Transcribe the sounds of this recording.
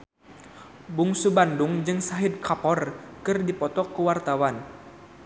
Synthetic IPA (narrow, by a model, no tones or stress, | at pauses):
buŋsubandʊŋd͡ʒɨŋsaɦid̪̚kapɔrkɨrdipɔt̪ɔkːuwart̪awan